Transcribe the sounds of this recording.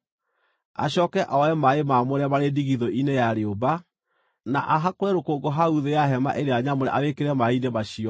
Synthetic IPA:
a̰ɕɔkɛʔaɛmaemamoɾɛmaɾediɣiðoʔinejaɾeoba | na̰ʔaɦakoɾɛɾokoɡɔɦauðeaɦɛma̰ʔeɾeaɲamoɾɛ̰ʔaβekeɾɛmaidemaɕiɔ

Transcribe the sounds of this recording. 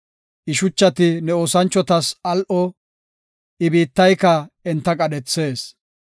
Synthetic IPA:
ʔɪʃʊt͡ʃːɐt̪ɪnɛoːsɐnt͡ʃːɔt̪ɐsɐlʔɔ | ʔɪbiːt̪ːɐjkɐɛnt̪ːɐkʼɐdɛt͡sːe̞ːs

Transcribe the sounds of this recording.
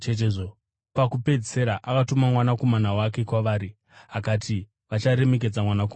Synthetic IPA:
t͡ʃet̬eʐo | pakupe̞d͡zise̞ɾaʔakatomamwanako̞manawake̞kwaʋaːɾi | akatʰi | ʋat͡ʃaɾe̞me̞k̬e̞d͡zamwanak̬o

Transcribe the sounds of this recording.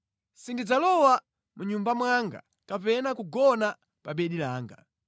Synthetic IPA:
sindid͡zalɔwa | muɲumbamwaŋɡa̰ | kapɛnakuɡɔna | paɓɛɗilaːŋɡa̰

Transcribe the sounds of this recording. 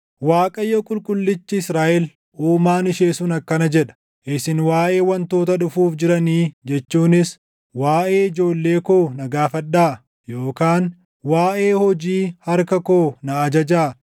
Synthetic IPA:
waːkʼɐjːokʼʊlkʼʊlːɪt͡ʃːɪɪsɾaːʔɛl | ʔuːmaːnɪʃeːsʊnɐkːɐnɐd͡ʒɛᶑɐ̥ | ʔɪsɪnwaːʔe̞ːwɐnt̪o̞ːt̪ɐᶑʊfuːfd͡ʒɪɾɐniːd͡ʒɛt͡ʃːuːnɪs | waːʔe̞ːɪd͡ʒo̞ːlːe̞ːkoːnɐɡaːfɐᶑːaː | jo̞ːkaːn | waːʔe̞ːhɔd͡ʒiːhɐɾkɐko̞ːnɐːd͡ʒɐd͡ʒaː

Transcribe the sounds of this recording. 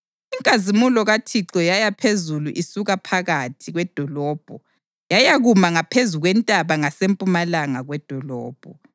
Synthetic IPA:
iŋkʼazimulɔɣatʰiǁɔjajapʰezuluʔisuɣapʰaɣatʰiɣwɛd̥ʱɔlɔːb̥ʱɔ | jajaɣumaŋapʰezuɣwɛntʼaβaŋasempʼumalaŋaɣwɛd̥ʱɔlɔ̰ːb̥ʱɔ

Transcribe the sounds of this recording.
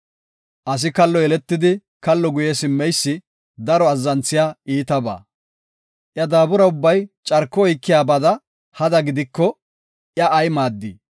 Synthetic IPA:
ʔɐs̬ɪkɐlːɔɛlɛt̪ːɪd̪ɪ | kɐlːɔɡʊjɛsɪmːɛjsːɪ | d̪ɐɾɔɐzːɐnt͡sːɪjaːʔiːt̪ɐba̰ː | ʔjɐd̪aːbʊɾɐʊbːɐjt͡ʃʼɐɾkːɔɔjkːɪjaːbɐd̪ɐ | hɐd̪ɐɡɪd̪ɪkːɔ | ʔjɐʔːjmaːd̪ːi

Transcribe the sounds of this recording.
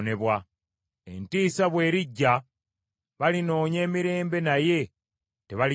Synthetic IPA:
ne̞βwa | e̞̰ntiːsaβwe̞ːɾiɟːa | βalino̞ːɲe̞ːmiɾe̞ːmbe̞naje̞ | te̞βali

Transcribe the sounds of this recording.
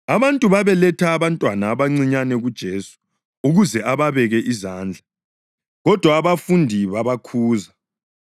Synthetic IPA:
aβantʼuβaβɛlɛtʰaːβantʼwanaːβaŋ͡ǀiɲanɛɣud̥ʒ̥ʱeːsu̥ | uɣuzɛʔaβaβɛɣɛʔizaːnd͡ɮʱa | ɣɔd̥ʱwaːβafundʱiβaβakʰuːza

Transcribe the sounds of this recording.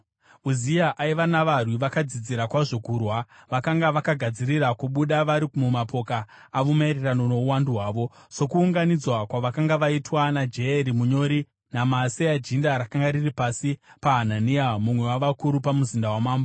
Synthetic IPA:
uzijaʔaiʋanaʋarwiʋakad͡zid͡ziɾakwaʐo̞kurwaʋakaŋɡaʋakaɡʱad͡ziɾirakuɓuɗaʋaɾikumumapo̞kaː | ʋomairerano̞no̞uwanduɦwaːʋo̞so̞kuːŋɡanid͡zwakwaʋakaŋɡaʋaitwanad͡ʒeeɾimuɲo̞ɾi | namasead͡ʒindaɾakaŋɡaɾiripasipaɦananiamumwe̞waʋakuɾupamuzindawamaːmba

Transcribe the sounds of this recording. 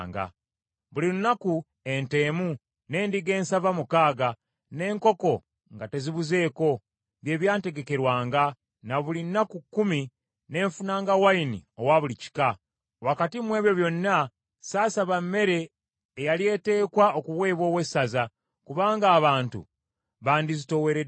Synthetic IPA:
ŋɡa̰ | βuliɾunaku | e̞nte̞ːmu | ne̞ːndiɡe̞ːnsavamukaːɡa | ne̞ːŋko̞ko̞ | ŋɡate̞ziβuze̞ːko̞ | βje̞ːβjaːnte̞ɡe̞ke̞ɾwaːŋɡa | naβulinːakukːumi | ne̞ːɱfunaːŋɡawainḭo̞waβulici̥ka | wakatimwe̞ːβjo̞βjo̞nːa | saːsaβamːe̞ɾe̞ː | jalie̞te̞ːkwaokuβwe̞ːβwo̞ːwe̞saza | kuβaːŋɡaːβaːntṵ | βaːndizito̞we̞ɾe

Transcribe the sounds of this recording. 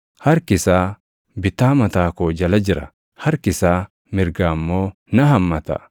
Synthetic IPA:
hɐɾkɪsaː | bɪt̪ːaːmɐt̪aːkoːd͡ʒɐlɐd͡ʒɪɾɐ̰ | hɐɾkɪsaː | mɪɾɡaːmːo̞ː | nɐɦɐmːɐt̪ɐ̰

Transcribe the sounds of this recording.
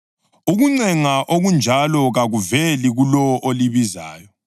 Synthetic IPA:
uɣuŋ͡ǀɛŋaʔoɣund͡ʒʱalɔɣaɣuvɛliɣulɔʔoliβiza̰ːjɔ

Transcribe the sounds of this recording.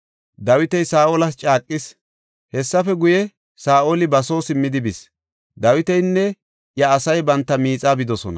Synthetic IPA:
d̪ɐwɪt̪ɛjsaːʔoːlɐst͡ʃʼaːkʼːɪs | hɛsːɐfɛɡʊjɛ | saːʔolɪbɐso̞ːsɪmːɪd̪ɪbɪs | d̪ɐwɪt̪ɛjnːɛ | jɐːsɐjbɐnt̪ːɐmiːt͡sʼaːbɪd̪ɔsɔnɐ

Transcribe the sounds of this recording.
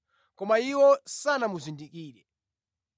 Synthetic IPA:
kɔmaiwɔsanamuzindikiːɾɛ

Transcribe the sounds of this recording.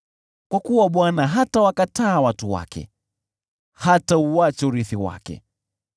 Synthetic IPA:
kwakuwaɓwanaɦatawakataːwatuwa̰kɛ̰ | hatauat͡ʃɛuɾiθiwa̰kɛ̰

